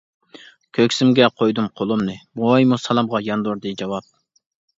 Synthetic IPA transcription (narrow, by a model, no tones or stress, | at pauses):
kʲʰøkʲsɪmɡʲɛqʰojd̪umqʰolˠumnɨbuɑjmusɑlˠɑmʁɑjɑnd̪uɾd̪ɨd͡ʒɑwɑp̚